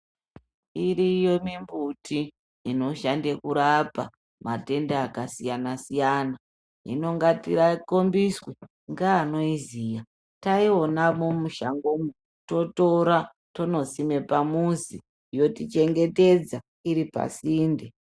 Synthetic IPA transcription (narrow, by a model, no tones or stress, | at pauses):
iɾijo̞mimbutʰiː | no̞ʃandekuɾapa̰ | mate̞ndeakasijanasijana | ḭno̞ŋɡatiɾako̞mbiswe | ŋɡaːno̞izija | taio̞namumuʃaŋɡomu | to̞toɾa | to̞no̞sime̞pamunzi | jo̞tit͡ʃe̞ŋɡe̞te̞d͡za | iɾipa̰siːnde